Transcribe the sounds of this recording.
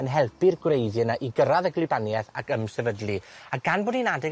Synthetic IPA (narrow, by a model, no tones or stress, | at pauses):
ənɦɛlˠpʰɨrɡwrejðjɨnaʔiɡəɾaðəɡlˠɪbanjɛθa̰kəmsɛvədlˠiaɡ̥anboːdninadɪɡ